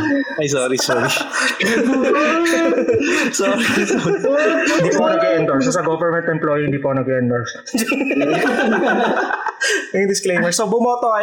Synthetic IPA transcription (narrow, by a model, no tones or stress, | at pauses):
ɐjsoːɾisoːɾi | soːɾiso | dd̪iːponɐɡɛnd̪oɹsosɐɡovɛɹmɛ̃nt̪ɛmploːjiɪnd̪iːponɐɡɛnd̪oɹs | jʊŋd̪ɪsklejmɛɹsobʊmot̪oʔɐ